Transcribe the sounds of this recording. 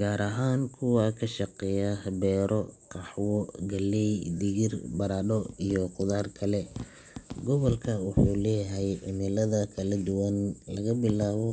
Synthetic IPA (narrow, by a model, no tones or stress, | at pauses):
ɡ̥aːɾʔɐɦaːnkʰʊwɑːkʰɐʃɑqɛjahbɛːɾʔɔqɑħwɔɡɐlːɛjd̪ɪɣɪrbɐɾaːɗɔijɔqʊðaːrkʰɐlɛ | ɡɔβɔlkʰɐwʊħuːlɛːjɦjʕɪnɪlɐðɐkʰɐlɐd̪ʊwɐnlɐɣɐbɪlaːβɔ